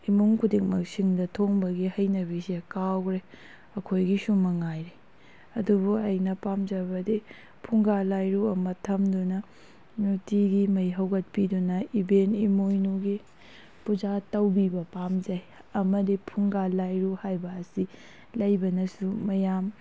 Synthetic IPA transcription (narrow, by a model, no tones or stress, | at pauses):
imuŋkʰudik̚mɐk̚siŋdɐtʰoŋbɐɡihɐjnɐbisekawɡɾe | ɐkʰojɡisumɐŋajɾe | ɐdubuɐjnɐpamd͡ʒɐɾbɐdi | pʰuŋɡalajɾuɐmɐtʰɐmdunɐ | nutiɡimɐjɦɐwɡɐt̚pidunɐibenimojnuɡi | pud͡ʒatɐwbibɐpamd͡ʒɐj | ɐmɐdipʰuŋɡalajɾuhajbɐːsi | lɐjbɐnɐsumɐjam